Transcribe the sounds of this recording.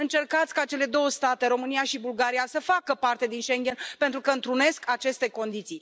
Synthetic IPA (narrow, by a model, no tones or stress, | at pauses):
ɨnt͡ʃe̞rkat̪sʲkat͡ʃe̞le̞d̪o̞wəst̪at̪e̞ɾo̞mɨnijaʃibulɡaɾijasəfakəpart̪e̞d̪inʃe̞ŋɡʲe̞npe̞nt̪ɾukəɨnt̪ɾune̞skʰat͡ʃe̞st̪e̞ko̞nd̪it̪sij